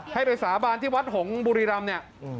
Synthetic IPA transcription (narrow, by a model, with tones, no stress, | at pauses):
ha˥˩jpa˧jsaː˩˦baː˧nt̪ʰiː˥˩wa˦˥t̪̚ho˩˦ŋbuː˧ɾiː˧ɾa˧mni˥˩ɐ